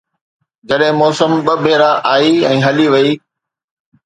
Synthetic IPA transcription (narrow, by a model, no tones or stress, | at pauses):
d͡ʑɐɗɦɪ̃mɔːsəmɓɐbʱeːɾaʔaːiɛ̃ːɦɐliʋɐiː